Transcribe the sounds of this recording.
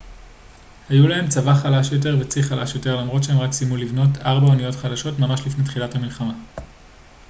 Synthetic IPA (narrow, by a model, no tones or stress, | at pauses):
hajulaɦe̞mt͡savaχalaʃjo̞t̬e̞ʁvet͡siχalaʃjo̞te̞ʁlamʁo̞tʃeemʁaksimulivno̞taʁbaonijo̞tχadaʃo̞tmamaʃlifnetχilathamilχama